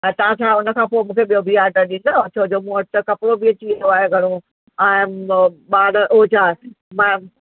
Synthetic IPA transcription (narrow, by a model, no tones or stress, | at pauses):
ɛ̃ːt̪ɐãt͡ɕʰaːʊnə̆kʰãːpoːmũːkʰeɓijobʱiaːɾɖəɾɗĩːnd̪ot͡ɕʰoɦd͡ʑoːmũɐt̪əkɐpɽobʱiɐt͡ɕiɐjoaːɦeɡʱɐɽ̃o | aːmɓaːɽəoːt͡ɕʰaː | mɛ̃